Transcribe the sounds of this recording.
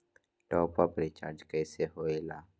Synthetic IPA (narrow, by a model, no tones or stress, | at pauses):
ʈɔːpapɾɪt͡ʃa̰ːɾd͡ʒkɛːseɦoːelaː